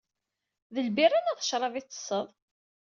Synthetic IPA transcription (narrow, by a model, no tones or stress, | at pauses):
ðəlbirˤːanaðəʃɾˤɑvit͡sːə̥sˤːəðˤ